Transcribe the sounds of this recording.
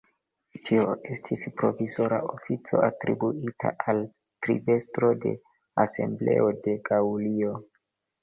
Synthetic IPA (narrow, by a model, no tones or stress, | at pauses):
tʰioe̞stʰispɾo̞vizo̞ɾa̰ofit͡so̞̰ʔatɾibuitʰa̰al | tɾive̞stɾo̞de̞̰ | ase̞̰mble̞̰ʔo̞de̞ɡaulio̞